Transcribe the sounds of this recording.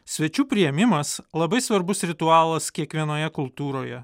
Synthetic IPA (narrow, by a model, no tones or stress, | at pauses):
sʲʋʲɛt͡ʃʲuːpʲɾʲɪjɛmʲɪmɐslˠɐbɐɪsʋɐɾbʊsɾʲɪt̪uɑːlˠɐskʲiɛkʋʲiɛnoːjɛkʊlˠt̪uːɾoːjɛ